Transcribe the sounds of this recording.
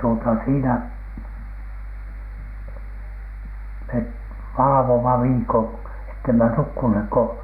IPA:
tuotɑ siːnæ met ʋɑlɑ̆ʋomɑ ʋiːkon etːemæ nukːunhek ko

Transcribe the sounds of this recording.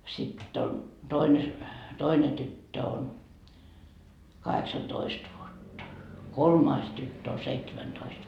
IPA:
sitː on toine toine tytːø on kɑheksɑtoist ʋuotːɑ kolmɑis tytːø o seitsemæntoist

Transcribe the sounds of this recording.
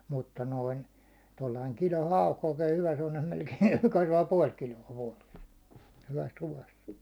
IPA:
mutːɑ noin tolːɑiŋ kilon̞ hɑuk oikeː hyʋæ semːonem melkein̞ kɑsʋɑː puɒl kiloɑ ʋuɒles hyʋæs ruʋɑs

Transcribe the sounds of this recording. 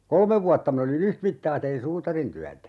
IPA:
kolmeʋ ʋuɑtːɑ min olin yhtmitːɑː tein suːtɑrintyætæ

